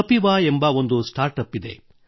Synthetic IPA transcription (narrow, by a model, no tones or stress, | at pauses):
ɐpiʋaːembɐo̞nd̪usʈaːɾʈɐpːid̪ḛ